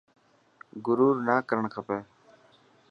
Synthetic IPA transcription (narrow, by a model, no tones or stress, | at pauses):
ɡʊɾuːɾnaːkəɾəɳkʰəpeː